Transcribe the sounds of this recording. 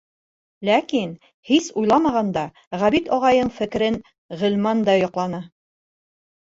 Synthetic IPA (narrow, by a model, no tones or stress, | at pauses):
lækin | hisujlˠɑmɑʁɑnd̪ɑ | ʁæβit̪ɒʁɑjɤɴfɘ̆k̆ɾɘn | ʁɘ̆lmɑnd̪ɑjɒqlˠɑnɤ